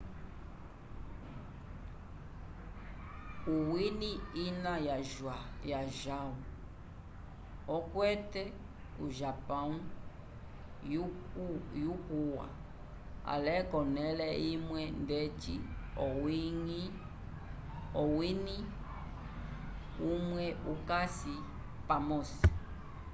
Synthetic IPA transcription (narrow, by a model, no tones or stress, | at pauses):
uwiniinajaʒwajaʒaβu | ɔkwɛtɛ | ṵʒapau | jukuwa̰ | a̰lɛkɔnɛlɛimwɛndɛt͡ʃiɔwiŋi | ɔwini | umwɛukasi | pamɔsi̥